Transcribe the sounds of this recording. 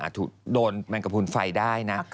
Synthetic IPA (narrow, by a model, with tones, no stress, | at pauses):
ʔa̰ː˨˩t̪̚ʰːuː˨˩k̚doː˧nma˧ŋka˧pʰu˧nfa˧jdaː˥˩jna˦˥